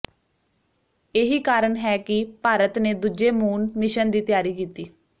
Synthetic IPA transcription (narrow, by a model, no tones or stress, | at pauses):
eːɦiːkaːɾəɳɦɛːkɪpaːɾət̪neːd̪ud͡ʒeːmuːnmɪʃənd̪iːt̪ɪjaːɾiːkiːt̪iː